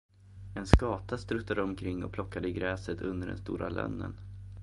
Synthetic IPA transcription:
ɛnskɑːt̪ast̪ɾɵt̪ːad̪əɔmkʰɾɪŋːɔ̰pʰlɔkːad̪əɪɡɾɛːsət̪ʰɵnd̪əɖɛ̰nst̪ṵːɾʔalœ̰nːə̰n

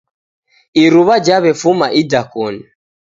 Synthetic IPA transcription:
iɾuβad͡ʒaβɛfumaʔidakuni

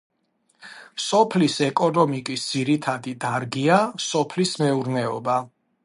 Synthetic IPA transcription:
sɔpʰlisɛkʼɔnɔmikʼisd̪z̥iɾit̪ʰad̪id̪aɾɡiasɔpʰlismɛuɾnɛɔ̰ba

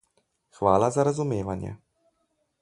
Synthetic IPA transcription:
xʋaːlazaɾazumeːʋanjɛ̰

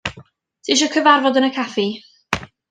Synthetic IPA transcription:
tʰiʃ̬ɔkʰəvarvɔdənəkʰafi

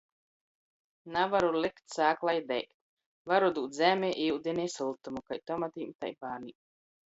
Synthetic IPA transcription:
navaɾulikt̪saːklˠajd̪ɛjkt̪̚ | vaɾud̪uːt̪zʲæːmʲɛːʔiud̪ʲineːsulˠt̪umukajt̪ɔmat̪iːmt̪a̰jbaːniː

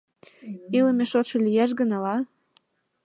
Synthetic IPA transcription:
iləmeʃot̪ʃɤ̆lijæʃ̬ɡənɑlɑ

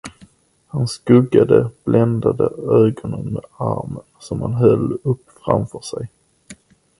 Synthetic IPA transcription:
hanskɵɡːad̪əb̥lɛnd̪ad̪əɛːɡɔnənmɛa̰ɾmənsɔmhanɦœlːɵpːfɾa̰mfœʂɛj

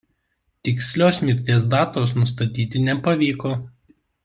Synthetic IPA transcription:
t̪ʲɪksʲlʲoːsmʲɪɾʲt̪ʲeɛsd̪ɑːt̪oːsnʊst̪ɐt̪ʲiːt̪ʲɪnʲɛpɐʋʲiːkoː

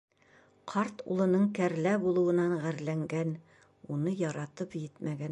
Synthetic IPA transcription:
qʰɑɾt̪ṵlˠɤ̆nɤɴkæɾlæbulˠɤ̆wɤ̆nɑɴʁæɾlæŋɡæn | unɤjɑɾɑt̪ɤpjɘt̪mæɡæn

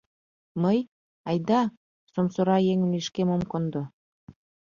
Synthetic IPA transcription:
məj | ɑjd̪ɑ | somsoɾɑjeŋə̆miʃkemomkond̪o

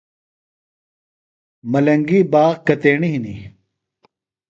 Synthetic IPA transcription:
mɐlɐŋɡiːbaːʁkɐt̪eːɳiɦinḭ

